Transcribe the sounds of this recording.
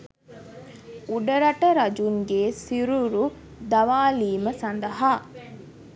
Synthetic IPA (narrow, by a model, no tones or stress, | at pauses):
uɖɐɾɐʈɐɾɐd͡ʒuŋɡeːsiɾuɾu | d̪ɐʋaːliːməsɐnd̪ɐɦaː